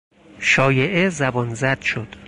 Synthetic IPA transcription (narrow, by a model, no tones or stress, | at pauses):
ʃɒːjeʔezæbɒnzæd̪̥ʃod̪̥